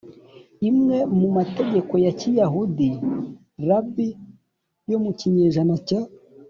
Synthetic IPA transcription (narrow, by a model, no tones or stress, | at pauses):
imŋe̞mumate̞ɟe̞ko̞jacijaɦudi | ɾabi | jo̞muciɲeʒanaca